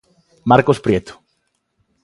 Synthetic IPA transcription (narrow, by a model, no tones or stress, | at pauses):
maɾkospɾjet̪o̥